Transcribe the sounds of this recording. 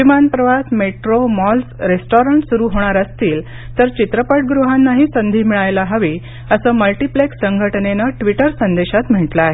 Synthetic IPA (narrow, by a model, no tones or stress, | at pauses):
ʋimanpɾəʋasmeʈɾomɔlsɾesʈoɾəɳʈsuɾuːɦoɽ̃aɾəst̪iːl | t̪əɾt͡ɕit̪ɾəpəʈ̚ɡɾuɦanːaɦiːsənd̪ʱiːmiɭajlaɦəʋi | əsəːməlʈipleksəŋɡʱəʈnenəʈʋiʈəɾsənd̪eɕat̪m̤əʈlaɦe